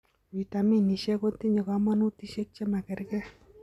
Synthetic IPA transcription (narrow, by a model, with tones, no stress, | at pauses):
wi˨ta˨mi˦ni˨ʃɛ˦ko˦ti˦ɲe˨ka˨˦mɔ˦nu˦ti˦ʃe˦k̚t͡ʃɛ˦ma˨kɛ˨ɾkɛ˦